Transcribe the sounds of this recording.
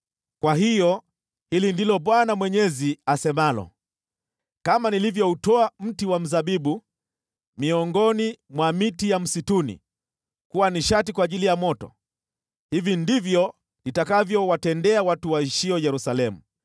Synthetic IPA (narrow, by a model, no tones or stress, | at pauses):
kwaɦijɔ | hilindilɔɓwanamwɛɲɛziasɛmalɔ̰ | kamanilivjɔutɔam̩tiwam̩zaɓiɓu | miɔŋɡɔnimwamitijam̩situnḭ | kuwaniʃatikwaːʄilijamɔtɔ̰ | hivindivjɔ | nitakavjɔwatɛndɛawatuwaiʃiɔjɛɾusalɛmu